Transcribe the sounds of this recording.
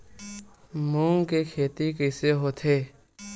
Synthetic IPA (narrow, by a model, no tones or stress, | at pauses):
mũːŋkekʰeːt̪ikəɪseɦoːt̪ʰeː